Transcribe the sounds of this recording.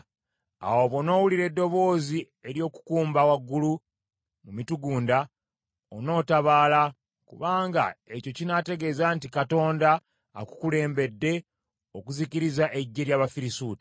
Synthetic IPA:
a̰wo̞βo̞no̞ːwuliɾe̞dːo̞βo̞ːzi | e̞ɾjo̞ːku̥kuːmbawaɡːulu | mumituɡuːnda | ono̞ːtaβaːla | kṵβaːŋɡae̞co̞cinate̞ɡe̞zantikato̞ːndaː | ku̥kule̞ːmbe̞dːe̞ | okuziciɾizaʔe̞ɟːeɾjaβafiɾisuːti̥

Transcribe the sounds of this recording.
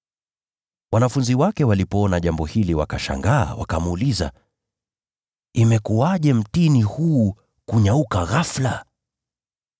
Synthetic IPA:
wanafunziwakɛwalipɔɔnaʄambɔhiliwa̰kaʃa̰ŋɡa̰ːwa̰kamːliza̰ | imɛkuaʄɛm̩tinihuː | kuɲaukaɣafla

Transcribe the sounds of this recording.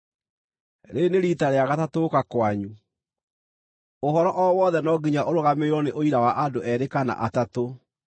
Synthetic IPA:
ɾeneɾitaɾeaɣatatokakwaɲu | oɦɔɾɔʔɔwɔðɛnɔɡiɲaʔoɾoɣameɾɔneʔoiɾawaʔadoʔɛɾekana̰ʔatato

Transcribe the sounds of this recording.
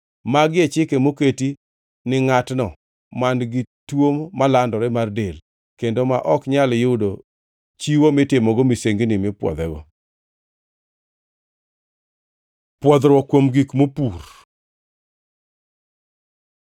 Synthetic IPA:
maɡɪet͡ʃɪkemoketi | nɪŋatnɔ | manɡɪtwomːalandɔɾɛmardel | kendomaʔɔkɲaljʊdo | t͡ʃiwomɪtɪmɔɡomiseŋɡenɪmɪpwɔ̰d̪ɛɡɔ̰ | pwɔd̪ɾwɔkwomɡikmopur

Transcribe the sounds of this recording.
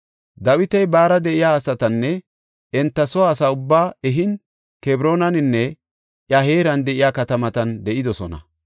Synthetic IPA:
d̪ɐwɪt̪ɛjbaːɾɐd̪ɛʔɪjaːɐsɐt̪ɐnːɛ | ɛnt̪ːɐsɔwaːsaːʊbːaːɛɦɪn | kɛbɾoːnɐnɪnːɛ | ʔjɐɦeːɾɐnd̪ɛʔɪjaːkɐt̪ɐmɐt̪ɐnd̪ɛʔɪd̪ɔsɔnɐ̰

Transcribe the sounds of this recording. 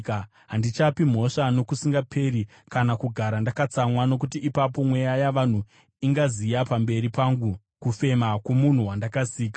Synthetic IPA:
k | ɦandit͡ʃapim̤o̞ʂano̞kusiŋɡapʰe̞ɾi | kanakuɡʱaɾandakat͡samwano̞k̬utiːpapo̞mwe̞jajaʋan̤u | iŋɡazijapambe̞ɾipaŋɡu | kufe̞makomun̤uwandakasiːkḁ

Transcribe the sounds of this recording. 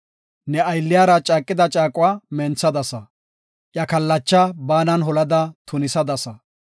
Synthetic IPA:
nɛɐjlːɪjaːɾɐt͡ʃʼaːkʼːɪd̪ɐt͡ʃʼaːkʼʊwaːmɛnt͡sːɐd̪ɐsɐ | ʔjɐkɐlːɐt͡ʃːabaːnɐnɦɔlɐd̪ɐt̪ʊnɪsɐd̪ɐsɐ

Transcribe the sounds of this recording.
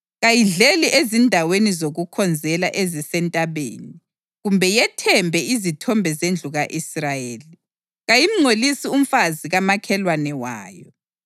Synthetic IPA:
ɣajiɮɛliʔezindʱawenizoɣukʰɔnd͡zʱɛlaʔezisɛntʼaβḛːni | ɣumbʱɛjɛtʰɛmbʱɛizitʰɔmbʱɛzend͡ɮʱuɣaʔisrajeːli | ɣajim̩ŋ͡ǀʱolisium̩faziɣamakʰɛlwanɛwa̰ːjɔ

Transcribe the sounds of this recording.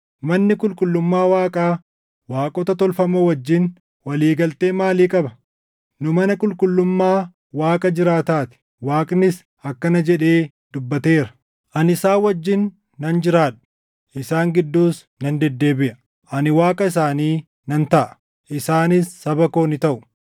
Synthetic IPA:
mɐnːɪkʊlkʼʊlːʊmːaːwaːkʼaː | waːkʼɔt̪ɐt̪ɔlfɐmɐwɐd͡ʒːɪn | wɐliːɡɐlt̪eːmaːliːkʼɐbɐ | nʊmɐnɐkʼʊlkʼʊlːʊmːaː | waːkʼɐd͡ʒɪɾaːt̪aːt̪ɪ̥ | waːkʼnɪs | ɐkːɐnɐd͡ʒɛᶑe̞ː | d̪̥ʊbːɐt̪e̞ːɾɐ̥ | ʔɐnɪsaːwɐd͡ʒːɪnː | ɐnd͡ʒɪɾaːᶑɐ̥ | ʔɪsaːŋɡɪd̪ːuːs | nɐnd̪ɛd̪ːe̞ːbɪʔɐ | ʔɐnɪwaːkʼɐɪs̬aːniː | nɐnt̪ɐʔɐ̥ | ʔɪsaːnɪsːɐbɐko̞ːnɪt̪ɐʔʊ̥

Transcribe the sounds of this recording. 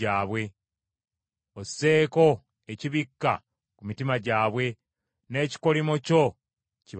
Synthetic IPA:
aːβwe̞ | ose̞ːko̞ | eciβikːa̰ | kumitimaɟaːβwe̞ | ne̞ːci̥ko̞limo̞co̞ | ciβ

